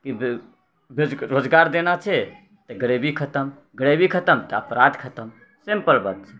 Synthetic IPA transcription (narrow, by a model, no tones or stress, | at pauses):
kib | beɾod͡ʒɡaɾd̪enat͡ʃʰɛ | t̪əɡəɽebʱikʰət̪əm | ɡəɽebʱikʰət̪əmt̪əəpɾat̪kʰət̪əm | sempəlbət̪̚t͡ʃʰɛ̥